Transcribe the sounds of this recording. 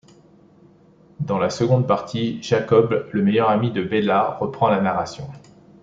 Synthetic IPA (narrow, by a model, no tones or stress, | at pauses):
d̪ɑ̃lasəɡɔ̃d̪̚paʁt̪ʰiʒ̥akɔbləmejœʁamid̪əbelaʁəpχɑ̃lanaʁasjɔ̃